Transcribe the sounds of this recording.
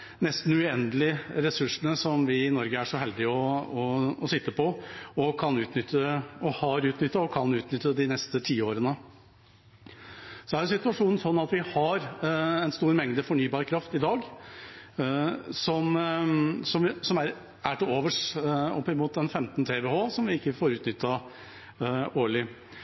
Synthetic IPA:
nɛst̪n̩ʉɛnd̪əlɪɾɛsʉʂɳəsɔmʋɪːnɔɾɡəæʂɔhɛld̪ɪɔɔɔsɪt̪ːəpɔɔkʰɑnʉːt̪nʏt̪ʰːəɔhɑɾʉːt̪nʏt̪ːəɔkʰɑnʉːt̪nʏt̪ːəd̪ɪnɛst̪ət̪ʰiːəoːɾənə | sɔæɾjʊsɪt̪ʉɑʂuːnn̩sɔnːɑt̪ʋɪhɑɾɛnst̪uːɾmɛŋd̪əfɔɳyːbɑːɾkʰɾɑft̪ɪd̪ɑːɡ | sɔm | sɔmsɔmæɾ | æʈɪloːʋəʂɔpːɪmuːt̪ɛnfɛmt̪nt̪ʰeːʋeːhoːsɔmʋɪɪkːəfoːɾʉːt̪nʏt̪ːɑ | oːɭɪ

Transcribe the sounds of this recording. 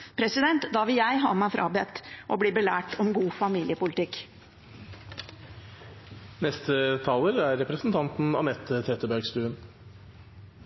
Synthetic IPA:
pʰɾɛsɪd̪ɛnt̪d̪ɑːʋɪljæɪɦɑːmæɪfɾʔɑ̰ːbɛt̪ʔɔbliːbəlæːʈɔmɡuːfɑmiːlɪəpʊlɪt̪ɪkː | nɛst̪ət̪ʰɑːləɾæɾːɛpɾəsn̩t̪ʰɑnt̪n̩ɑ̰nɛt̪ʰːət̪ʰeːt̪əbæɾɡst̪ʉːən

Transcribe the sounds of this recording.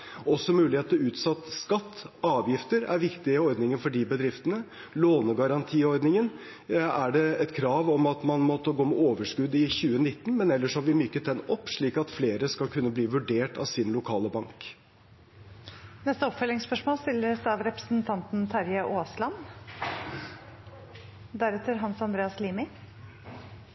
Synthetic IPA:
ɔsːɔmʉːlɪheːt̪əɾʉːt̪sɑt̪ːskɑt̪ːɑːʋjɪft̪əɾæ̰ɾʋɪkt̪ɪəɔɾd̪nɪŋənfɔɖiːbəd̪ɾɪft̪ənə | loːnəɡɑɾɑnt̪ʰiːɔɾd̪nɪŋən | æɖɛɛt̪kʰɾɑːʋɔmɑt̪mɑnmɔt̪ːəɡoːmɛoːʋəʂkʉd̪ɪçʉːənɪt̪ːn̩mɛnɛlːəʂɔhɑʋɪmʏkːət̪̚d̪ɛnɔpːʂɭiːkɑt̪fleːɾəskɑlkʰʉnːəbliːʋʉɖeːʈɑ̰ʋsɪnlʊkʰɑːləbɑŋk | nɛst̪əɔpfœlɪŋspœʂmoːlst̪ɪlːəsd̪ɛɑʋɾɛpɾə̥snt̪ʰɑnt̪n̩t̪ʰɑɾjəʔoːslɑn | d̪æɾɛt̪əɾɦɑnsɑnd̪ɾeːɑsliːmɪ

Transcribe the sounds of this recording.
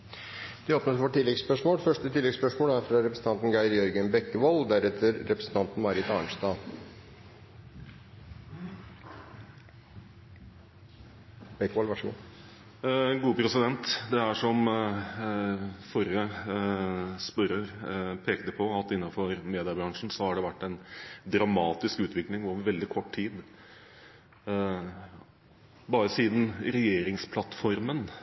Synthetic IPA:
d̪̥ɛoːpnət̪ʋoːʈːɪlːɛɡspœʂmoːlfœʂʈət̪ɪlɛɡspœʂmoːlæɾfɾɑɾɛpɾəsn̩t̪ɑnt̪n̩ɡæɪɾjœɾɡənbɛkːəʋold̪æɾɛt̪ʰəɾːɛpɾəsn̩t̪ʰɑnt̪n̩mɑːɾɪt̪ɑːɳʂt̪ɑː | b̥ɛkːəʋɔːlʋɑʂəɡṵ | ɡuːpʰɾɛsɪd̪ɛnt̪d̪ɛæʂɔm | fɔɾə | spœɾəɾpʰeːkt̪əpʰɔɑt̪ɪnːɑfɔɾmeːd̪ɪəbɾɑŋʂn̩sɔhɑɖɛʋæʈːɛɪnd̪ɾɑmɑːt̪ɪskʉːt̪ʋɪklɪŋoːʋəɾʋɛld̪ɪkʰɔʈːt̪ʰiːd̪ | bɑːɾəsiːd̪n̩ɾɛjeːɾɪŋspʰlɑt̪fɔɾmən

